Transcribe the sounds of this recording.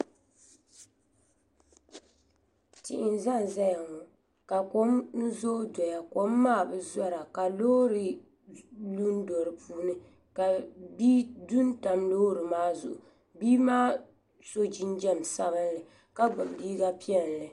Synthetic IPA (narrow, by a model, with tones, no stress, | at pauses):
tɪ̰˨ʔɪ˨nza˦˨n˨za˦ja˨ŋɔ˨ | ka˨ko˦mn̩˦zo˦dɔ˨ja˨ko˦mːaː˦˨bɨ˦˨zɔ˦ɾa˨ka˨loː˦ɾɨ˨ | lu˦n˦dɔ˨ɾɨ˨puː˦nɨ˦ | ka˨biː˦du˦n˦ta˨mloː˦ɾɨ˨maː˦zʊ̰˨ʔʊ̰˨ | biː˦maː˦ | so˦d͡ʒi˦nd͡ʒɛ˦m˨sa˦βɨ˦nlɨ˨ | ka˦ɡ͡ba˨bliː˦ɡa˦pi˦ɛ˦n˨lɨ˨